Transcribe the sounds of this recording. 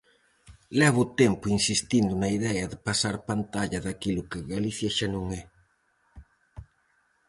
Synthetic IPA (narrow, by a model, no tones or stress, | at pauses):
lɛβ̞ʊt̪ɛmpʊinsist̪ind̪ʊnɐiðɛɐðɪpasaɾpant̪aʎɐðakilʊkɪɣaliθjaʃanõŋɛ